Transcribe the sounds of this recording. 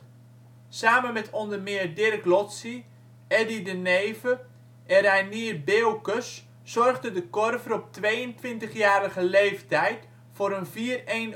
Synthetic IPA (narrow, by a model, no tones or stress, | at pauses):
saːmənmɛtʰɔndərmɪərdɪrklɔtsi | ɛdidəneːvə | ʔɛɾɛjniərbeːwkəs | sɔrɣdədəkɔrvərɔp̚tʋejəntʋɪntəχjaːɾəɣəlejftɛjt | foɾənviːəreːn